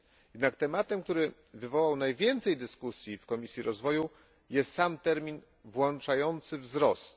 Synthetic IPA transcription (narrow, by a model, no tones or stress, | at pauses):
jɛd̪nakt̪ɛmat̪ɛmk̚t̪uɾɘ | vɘvɔwawnajvʲjɛnt̪sɛjd̪ɘskusʲjifkɔmʲisʲjiɾɔzvɔju | jɛst̪samt̪ɛɾmʲin | vwɔnt͡ʂajɔnt̪sɘvzɾɔst̪